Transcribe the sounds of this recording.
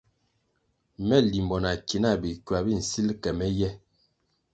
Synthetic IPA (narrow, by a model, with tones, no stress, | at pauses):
mɛ˦˨li˨mbɔ˨na˨ki˨na˦˨bi˨kɥwa˨bi˦˨n̩˨si˦lkɛ˨mɛ˦jɛ˦